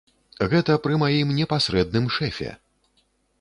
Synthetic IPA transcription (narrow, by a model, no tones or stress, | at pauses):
ɣɛt̪ɐpɾɨmajimnʲɛpasʲɾɛd̪̚nɨmʂɛfʲɛ̰